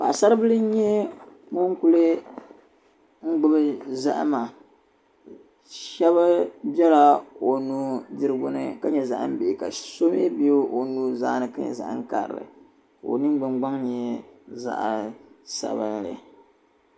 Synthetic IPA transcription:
pa˨ʔsa˦ɾɨ˦bɨ˦lɨ˦ɲɛ˦ | mo˦ŋ˦ku˦lɨ˦ | ŋ̩˦ɡ͡bʊ˦bɨ˦za̰˦ʔma˨ | ʃɛ˦βa˦bɛ˦la˦o˨nuː˦dɨ˨ɾɨ˦ɡʊ˦nɨ̰˨ka˨ɲɛ˨za̰˨ʔɨ̰˦m̩˦be˨ka˨so˦me˦be˦o˦o˨nuː˦za̰ː˦nɨ˨ka̰˦ɲɛ̰˨za̰˨ʔŋ˦ka̰˨ɾɨ̰˨ɾɨ̰˨ | o̰˨nɨ˦m˦ɡ͡bɨ˨ŋ͡mɡ͡ba˦ŋɲɛ˦za̰˦ʔsa̰˨ba˦nlɨ̰˨

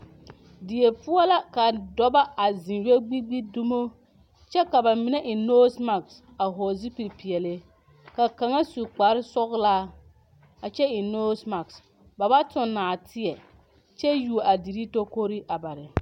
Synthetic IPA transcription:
di˨je˨pʊ˦ɔ˦la˦ka˨dɔ˦ba˦a˨zĩ˨njɛ˦ɡ͡bi˦ɡ͡bi˦du˦mo˦ | t͡ʃɛ˦ka˨ba˨mɪ˨nɛ˦ʔɪ˨no˦sma˨ks | a˨ɦo˨zi˦pi˨ɾpi˨ɛ˨lɪ˦ | ka˨ka˨ŋa˦su˨k͡pa˨ɾɪ˦sɔ˦ɣlaː˦ | a˨t͡ʃɛ˦ɪ˨no˦sma˨ks | ba˨ba˦tʊ˨nːaː˨tʰɪ˦ɛ˨ | t͡ʃɛ˦ju˨ʔa˨di˨ɾi˦to˦ko˦ɾi˦ʔa˨ba˨ɾɪ˨

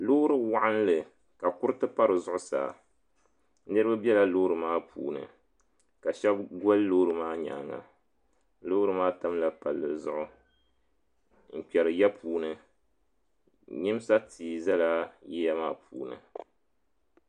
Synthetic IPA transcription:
loː˦ɾɨ˨wa˦ʔa˦nlɨ˨ | ka˨kʊ˦ɾɨ˦tɨ˦pa˦ɾɨ˨zʊ˦ʔʊ˦sa̰ː˨ | nɨ˦ɾɨ˦ba˦bjɛ˦la˦loː˦ɾɨ˨maː˦pʰṵː˨nɨ̰˨ | ka˨ʃɛ˦b̚ɡɔ˦lːoː˦ɾɨ˨maː˦ɲa̰ː˨˦ŋa̰˨ | lo˦ɾɨ˦maː˦ta˦mla˨pa˨lːɨ˨zʊ˦ʔʊ˨ | m̩˨k͡pɛ˨ɾɨ˨ja˦pʰuː˨nɨ˨ | ɲɨ˦m˦sa˦tʰiː˨za˦la˦jɛ˦ja˦maː˦pʰuː˨˦nɨ̰˨

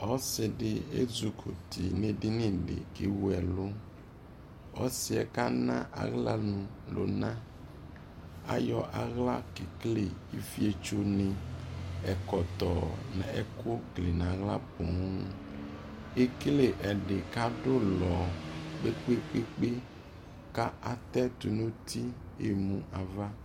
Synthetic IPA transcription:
ɔ˦se˨ɖe˨ḛ˦zu˨kʰo˨t̪ʰi˨nẽ˨ɖi˦nĩ˦˨ɖḛ˨ke˨wu˦ɛ˨lo˦ | ɔ˦si˨ɛ̰˨ka˦nã̰˦ʔa̰˨ɣla˦nũ˨lo̰˨nã˦ | a̰˦jɔ˦ʔa˨ɣla˦ke˨kle˦˨i˦fi˦e˦t͡ʃo˦nẽ˦ | ɛ˨kɔ˨t̪ɔ˨nɛ̰̃˨ɛ˨ko˦kle˨nã˨ɣla˦po˨ŋ˦ | e˦kle˨ʔɛ˨ɖe˨ka˦ɖo˦lɔ˨be˦k͡pe˦k͡pe˦k͡pe˦ | ka˦ʔa˨t̪ɛ˦t̪u˨nõ˦t̪ʰi˦ | e˨mũ˨ʔa˨va˦

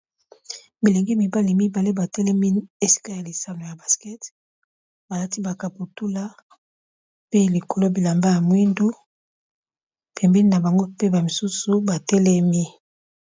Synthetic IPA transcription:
mi˨le˨ŋɡi˦mi˨ba˦li˨mi˦ba˨le˦ba˨tɛ˦lɛ˦mi˦e˨si̥˦ka˦ja˨li˨sa˨no˨ja˨ba˨skɛ˦t | ba˨la˦ti˦ba˨ka˨pu˨tu˦la˦ | pe˦li˨ko˨lo˦bi˨la˨mba˦ja˨mwi˦ndu˦ | pʰɛ˨mbɛ˦ni˦na˨ba˨ŋɡo˦pe˦ba˨mi˨su˦su˨ba˨tɛ˦lɛ˦mi˦

